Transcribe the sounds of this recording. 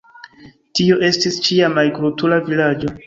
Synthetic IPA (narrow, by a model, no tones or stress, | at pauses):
tio̞ʔe̞stist͡ʃiamajɡɾutulavilad͡ʒo̞